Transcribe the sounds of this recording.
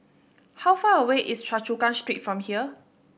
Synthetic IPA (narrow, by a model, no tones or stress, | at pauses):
hawfaːəweʔɪst͡ʃat͡ʃukãnstɹitfɹɔ̃mhiə